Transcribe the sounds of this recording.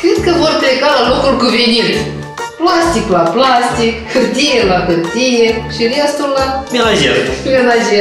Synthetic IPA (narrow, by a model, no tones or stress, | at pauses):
kɾed̪kəvo̞rplekalalo̞kulkuvinit | plast̪iklaplast̪ikhɨrt̪ijelahɨrt̪ijeʃiɾast̪ulːamelaʒḛɾmelaʒe